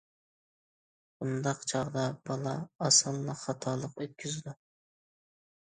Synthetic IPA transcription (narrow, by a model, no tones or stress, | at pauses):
und̪ɑqt͡ʃʰɑʁd̪ɑb̥ɑlˠɑːsɑlːˠɑχɑt̪ʰɑːlˠəqøt̪̚kʲʰyzɪd̪u